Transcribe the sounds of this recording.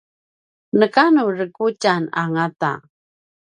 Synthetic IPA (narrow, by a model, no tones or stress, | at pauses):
nəkanurəkut͡ɕana̰ŋata̰